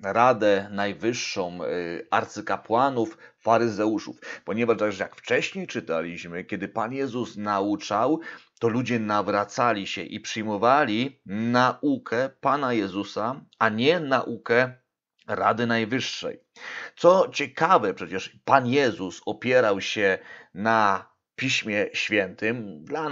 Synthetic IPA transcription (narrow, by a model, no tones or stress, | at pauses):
ɾad̪ɛnajvɘʂːɔ̃w̃a̰ɾt̪sɘkapwanuffaɾɘzɛuʂṵfpɔɲɛvaʂt̪aɡʐɛja̰kft͡ʂɛɕɲejt͡ʂɘt̪alʲiɕmɘkʲɛd̪ɘpanjɛzusnaut͡ʂawt̪ɔlud͡ʑɛnavɾat̪salʲiɕɛ̰ʔipʂɘjmɔvalʲinaʔukʰɛpanajɛzusaaɲɛnaʔukɛ | ɾa̰d̪ɘnajvɘʂːɛ̰j | t̪sɔt͡ɕɛkavɛpʂɛt͡ɕɛʂpanjɛzusɔpʲjɛɾawɕɛna | pʲiɕmʲjɛɕfʲjɛnt̪ɘmd̪la